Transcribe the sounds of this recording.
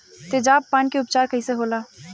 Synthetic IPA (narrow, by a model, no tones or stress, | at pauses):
t̪ed͡ʒaːppːaːnkeʊpt͡ʃaːɾkʰəɦiseɦoːlaː